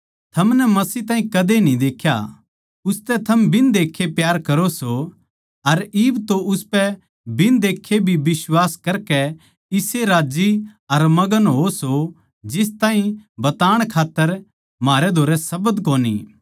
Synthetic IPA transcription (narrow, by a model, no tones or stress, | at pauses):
t̪ʰɐmnɛmɐsiːt̪ãːɦĩkɐd̪enĩd̪eːkʰja̰ | ʊst̪ɛt̪ʰɐmbʱɪnd̪eːkʰːepjaːɾkɐɾoso | ɐɾiːbt̪oʔʊspɛ | bʱɪnd̪eːkʰːebʱibɪswaːskɐɾkɛ | ɪseɾaːd͡ʒiɐɾmɐɡənɦoso | d͡ʒɪst̪ãːɦĩbɐt̪aːɽ̃kʰaːt̪ːəɾ | maːɾɛd̪ʱoːɾɛsɐbəd̪koːnḭː